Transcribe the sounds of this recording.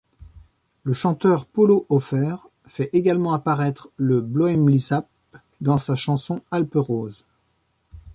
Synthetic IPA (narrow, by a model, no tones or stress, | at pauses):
ləʃɑ̃t̪œʁpɔloʔɔfɛʁ | fɛʔeɡalmɑ̃apaʁɛt̪χləblɔɛmlizap̚ | d̪ɑ̃saʃɑ̃sɔ̃alpəʁoz